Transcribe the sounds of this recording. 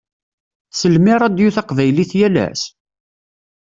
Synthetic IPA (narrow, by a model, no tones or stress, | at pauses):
səlmɪɾˤɑd̪juθɑqvæjliθjælæ̰s